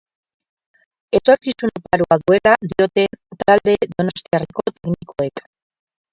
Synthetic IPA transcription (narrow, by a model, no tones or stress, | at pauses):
et̪oɾkisunopaɾuaðwelad̪jot̪ent̪ald̪eðonost̪jarikot̪eknikoek